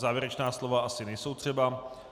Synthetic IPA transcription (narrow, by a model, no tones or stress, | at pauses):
zaːvjɪɛɾɛt͡ʃnaːslo̞vaʔasɪnɛjso̞wt̪r̝̥ɛba